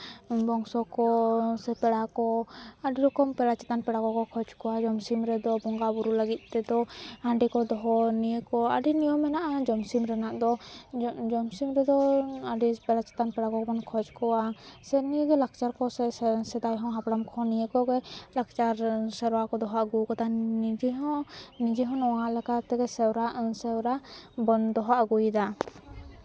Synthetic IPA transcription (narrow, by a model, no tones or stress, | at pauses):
bɔŋsɔkɔsɛpɛɽakɔaɖiɾɔkɔmpɛɽat͡ʃɛ̥t̪anpɛɽakɔkɔkʰɔd͡ʒkɔwad͡ʒɔmsimɾɛd̪ɔbɔŋɡabuɾulaɡit̪̚ˀt̪ɛd̪ɔãɖɛkɔd̪ɔɦɔnijəkɔa̰ɖinijɔmːɛnaʔad͡ʒɔmsimɾɛnaʔd̪ɔ | d͡ʒɔmsimɾɛd̪ɔaɖipɛɽat͡ʃɛ̥t̪anpɛɽakɔkbɔnkʰɔd͡ʒkɔwasɛniɡɛlak̚t͡ʃaɾkɔsɛsɛd̪ajɦɔ̃ɦapɽamkʰɔ̃nijəkɔɡɛlak̚t͡ʃaɾsɛɾwakɔd̪ɔɦaʔɡukɔt̪anid͡ʒɛɦɔ̃nid͡ʒɛɦɔ̃nɔwaʔlɛkat̪ɛɡɛsɛwɾaʔsɛwɾabɔnd̪ɔɦaʔɡujd̪a